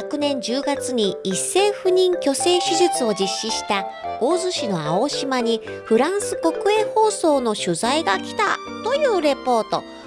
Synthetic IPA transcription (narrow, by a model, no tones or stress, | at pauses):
akɯ̟nẽ̞ɲ̟d͡ʑɨːɡat͡sɨɲ̟iisːe̞ːɸɯ̟ɲ̟ĩŋkʲo̞se̞ːɕɨʑɨt͡sɨo̞d͡ʑiɕːiɕi̥t̪ao̞ːzɨɕino̞ao̞ɕimaɲ̟i | ɸɯ̟ɾãɰ̃sɨko̞kɯ̟e̞ho̞ːso̞ːno̞ɕɨzaiɡakʲi̥t̪a̰t̪o̞jɯ̟ːɾe̞po̞ːt̪o̞̰